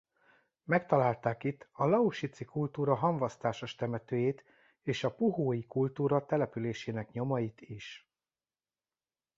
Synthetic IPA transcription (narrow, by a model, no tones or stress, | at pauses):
mɛkt̪ɒlaːlt̪aːkit̪ːɒlɒuʃit̪sikult̪uːɾɒɦɒɱvɒst̪aːʃoʃt̪ɛmɛt̪øːjeːt̪ | eːʃɒpuɦoːjikult̪uːɾɒt̪ɛlɛpyleːʃeːnɛkɲo̞mɒjit̪iʃ